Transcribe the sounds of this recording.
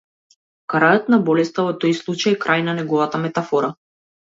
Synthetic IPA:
kaɾajɔt̪nabɔlɛst̪avɔt̪ɔjslˠut͡ʃajkɾajnanɛɡɔvat̪amɛt̪afɔɾa

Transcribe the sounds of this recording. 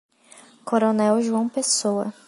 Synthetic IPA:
kʰoɾonɛwʒuɐ̃w̃pesowɐ̰

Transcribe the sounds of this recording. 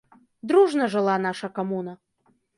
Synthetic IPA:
d̪ɾuʐnɐʐɨlˠanaʂɐkamunɐ

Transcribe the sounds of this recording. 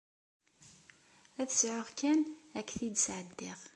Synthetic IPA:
æθəsʕoʁkːænækːθid̪sʕəd̪ːɪʁ

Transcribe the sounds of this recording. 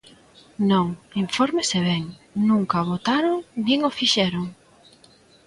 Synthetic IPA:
nõŋiɱfoɾmɪseβɛŋnũŋkɐβot̪aɾoŋniŋofiʃɛɾoŋ

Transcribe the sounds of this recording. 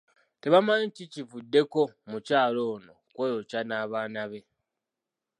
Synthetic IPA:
te̞βamaenticivudːe̞ko̞mucaːlo̞ːno̞kwojocanaːβaːnaβe̞

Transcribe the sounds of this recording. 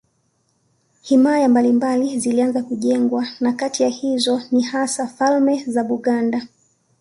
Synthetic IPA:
himajambalimbalizilianzakuʄɛŋɡwanakatijahizɔnihasafalmɛzaɓuɠanda

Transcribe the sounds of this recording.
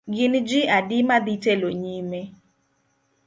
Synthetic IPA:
ɡɪnd͡ʒiadɪmad̪iteloɲime

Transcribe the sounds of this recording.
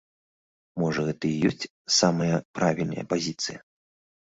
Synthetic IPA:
mɔʐɐɣɛt̪ɐjijɔsʲt͡sʲ | samɐjɐpɾavʲilʲnɐ̰jɐ̰pazʲit̪sɨjɐ

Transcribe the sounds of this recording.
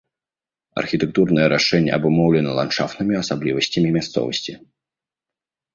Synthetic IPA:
ɐ̰rxʲiɪt̪ɨk̚t̪urnəjəɾaʂɛnʲə̰ɐbʊmowlʲɪnəlˠa̰nʂa̰ft̪nɨmʲɪɐsablʲivəsʲtʲɪmʲɪmʲast̪sɔ̰və̰sʲtʲɪ

